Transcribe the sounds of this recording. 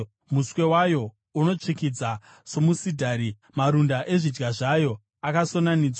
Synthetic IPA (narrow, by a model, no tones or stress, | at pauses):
muswe̞wajo̞ | uno̞t͡ʂikid͡za | so̞musidʱaːɾi | maɾundaʔe̞ʐid͡ʒɡaʐajo̞ | akaso̞naniːd͡zwa